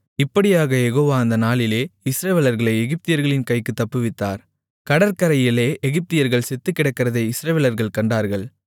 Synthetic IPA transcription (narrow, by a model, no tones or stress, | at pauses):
ɪpːɐɽɪjaːɣɐjɛɣoːʋaːɐnd̪ɐnaːlɪleːɪsɾɐʋeːlɐɾɣɐɭɐɪɛɣɪp̚t̪ɪjɐɾɣɐɭɪnkɐɪkːɯt̪ːɐpːɯʋɪt̪ːa̰ːɾ | kɐɽɐɾkɐɾɐjɪleːʔɛɣɪp̚t̪ɪjɐɾɣɐɭsɛt̪ːɯkːɪɽɐkːɪɾɐðɐɪɪsɾɐʋeːlɐɾɣɐɭkɐɳɖaːɾɣɐɭ